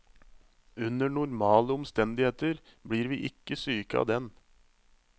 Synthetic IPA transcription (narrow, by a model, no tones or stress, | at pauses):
ʉnəɳʊɾmɑːləɔmst̪ɛnd̪ɪheːt̪əɾbɽiːɾʋiːʔɪkːəsyːkɑ̰d̪ɛn